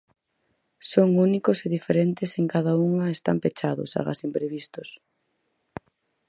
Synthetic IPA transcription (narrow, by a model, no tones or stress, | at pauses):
soŋunikʊseðifeɾent̪ɪseŋkaðɐuŋɐest̪a̰mpet͡ʃaðʊ̰sa̰ɣa̰simpɾeβist̪ʊs